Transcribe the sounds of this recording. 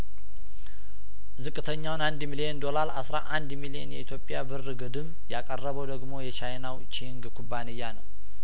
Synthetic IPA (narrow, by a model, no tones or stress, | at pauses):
zɨkʼːɨt̪ʰəɲːawnand̪milijend̪o̞laɾa̰sɾaʔand̪milijenjɛʔit̪ʰjo̞pʼjabɨrːɨɡɨd̪ɨm | jakʼərːəβəwd̪əɡmo̞jɛt͡ʃajnawt͡ʃiŋɡkʰubːanɨjːanəw